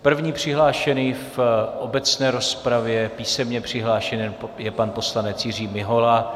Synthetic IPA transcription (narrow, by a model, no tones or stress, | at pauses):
pr̩vɲiːpr̝̥ɪɦlaːʃɛniːfʔobɛt͡snɛːɾo̞spɾavjɛpiːsɛmɲɛpr̝̥ɪɦlaːʃɛnjɛpanpo̞slanɛt͡sjɪriːmɪɦo̞la